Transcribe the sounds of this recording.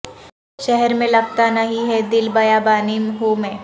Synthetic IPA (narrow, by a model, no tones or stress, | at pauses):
ʃɛɦɛɾmẽlɐɡ̚t̪anɐɦĩɦɛd̪ɪlbɐjabaːnimɦoːmẽ